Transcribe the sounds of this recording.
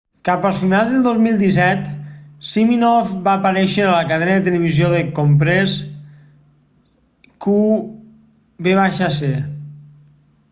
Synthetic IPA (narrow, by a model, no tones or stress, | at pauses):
kapəlˠsfinalˠzðəlˠd̪ozmilˠd̪is̬ɛt̪siminɔfbaːpəɾɛʃəələkəðɛnəðət̪ələβ̞izjoðəkompɾes | ku | beβaʃase